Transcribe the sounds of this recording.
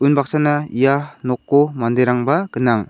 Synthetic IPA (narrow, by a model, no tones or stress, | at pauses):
unbak̚sanaijanɔkːomandeɾaŋbaɡɯnaŋ